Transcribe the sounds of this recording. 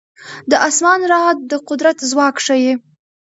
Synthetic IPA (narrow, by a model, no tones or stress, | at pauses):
d̪əʔasmɑnɾɑd̪d̪əqʊd̪ɾat̪zwɑkʂaje